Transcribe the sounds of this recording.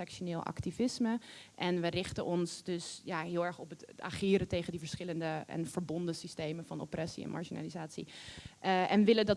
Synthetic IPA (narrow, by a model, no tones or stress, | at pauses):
ɛkʃonɪːlˠɑ̰ktivɪsməʔɛnʋərɪχtənʔɔnsdɵsjaɦɪːlˠɛɹχɔpəta̰χɪːɾətejχəndivəɹsχɪləndəɛ̰nv̥əɹbɔndəsistejmənvɑno̰prɛsḭɛ̰nma̰ɹʃina̰ːlizaːtsḭ | ɛnʋɪlədɑt